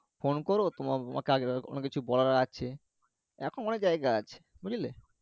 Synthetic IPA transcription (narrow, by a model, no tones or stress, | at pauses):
fonkoɾot̪omao̰ma̰keaɡeo̰nekit͡ɕʰubɔlaɾaaɕʰe | ɛkʰononed͡ʑaeɡaat͡ɕʰe̥ | buɾile